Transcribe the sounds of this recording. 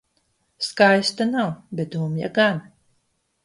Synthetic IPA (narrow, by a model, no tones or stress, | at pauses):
skajst̪anawbʲɛt̪̚d̪uːmja̰ɡan